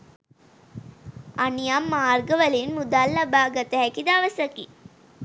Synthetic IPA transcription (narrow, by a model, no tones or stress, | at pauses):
anijamːaːrɡəʋəlinmud̪aːlːabaːɡat̪əɦɛkid̪aːʋəsɐki